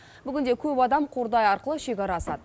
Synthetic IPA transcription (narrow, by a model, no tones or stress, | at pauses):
bʏɡʲɪnd̪ekʲʰɵpɑd̪ɑmqʰoɾd̪ɑjɑɾqəlˠəʃe̞kʲɑɾɑsɑ̰d̪ə